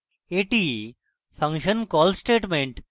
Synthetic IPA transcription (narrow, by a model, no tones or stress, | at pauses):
eʈi | fʰɐŋʃənkɔlsʈeʈmeɳʈ